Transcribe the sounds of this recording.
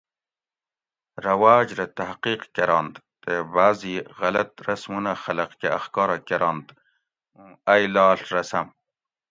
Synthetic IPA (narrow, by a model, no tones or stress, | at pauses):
ɾɐwaːd͡ʒɾet̪aɦqiːqkeɾɑːnd̪ | t̪ebaːziɣɐlɐt̪ɾɐsmunaxɐlɐqkeɐxkɑːɾakeɾʔɑːnd̪ | ũajlɑːɬɾɐsɐm